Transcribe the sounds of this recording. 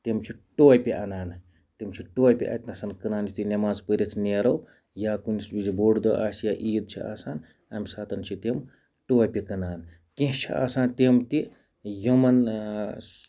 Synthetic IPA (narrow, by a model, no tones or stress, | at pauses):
t̪imt͡ʃʰiʈoːjpʲiʔɐnaːn | t̪imt͡ʃʰiʈoːpʲiʔɐ̰t̪nɐsɐnkɨnaːnit̪inʲɐmaːzpəɾʲit̪ʰneːɾɐw | jaːkunisbʲid͡ʒiboːɽd̪oʔaːsjaʔiːd̪̚t͡ʃʰiʔa̰ːsaːn | ɐmʲsaːt̪ɐnt͡ʃʰit̪em | ʈoːjpʲikɐnaːn | kĩɦt͡ʃʰḭa̰ːsaːnt̪imt̪i | jɐmɐn